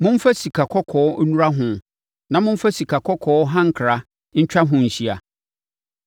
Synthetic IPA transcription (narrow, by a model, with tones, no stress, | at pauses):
mʊ̃˦m̩˦fa˦si˨kʰa˨kʰɔ˦kʰɔː˨˦nu˦ɾa˦ɦʊ̃˨ | nã˨mʊ̃˦m̩˦fa˦si˨kʰa˨kʰɔ˦kʰɔː˨˦ɦã˦ŋ̩˨kʰɾa˦ | ɲ̩˦t͡ɕᶣa˦ɦʊ̃˨ɲ̩˨ɕi˦a˨